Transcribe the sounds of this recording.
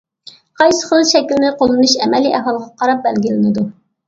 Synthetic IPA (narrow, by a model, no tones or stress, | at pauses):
qʰɑjsə̥χəlˠʃɛkʲlnɪqʰolˠɨnuʃɛmɛliʔɛɦɑlˠəʁɑqʰɑɾɑp̚bælɡʲilɪnɪd̪u